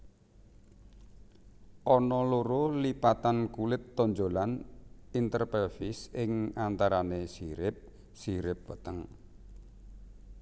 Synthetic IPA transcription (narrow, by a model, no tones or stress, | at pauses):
ʔɔnɔloɾolipat̪ankulɪt̪ːɔɲd͡ʒolanint̪ərpɛfisɪŋant̪aɾanesiɾɪp̚ | siɾɪp̚vət̪əŋ